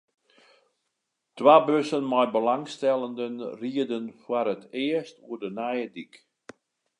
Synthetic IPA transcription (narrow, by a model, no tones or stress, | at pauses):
tʋaːbøsənmɔjbəlaŋstɛlˠəndənriədənfwaɾətɪəstuərdənajədik